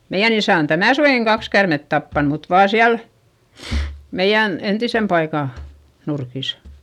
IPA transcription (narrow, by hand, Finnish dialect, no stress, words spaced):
meij̆æn isæˑ on tænæˑ suʋeˑŋkiŋ kɑks kærmet tɑpːɑn mut ʋɑː siæl meij̆æn entisem pɑikɑˑ nurkisɑ